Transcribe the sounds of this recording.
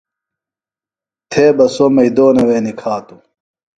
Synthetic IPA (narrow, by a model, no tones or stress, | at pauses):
t̪ʰeːbɐsomɐid̪oːnɐweːnikʰaːt̪u